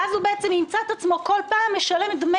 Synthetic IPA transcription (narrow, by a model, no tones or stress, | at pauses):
azhubeʔet͡semnimt͡saet̪at͡smo̞ko̞lpaːmːeʃale̞md̪me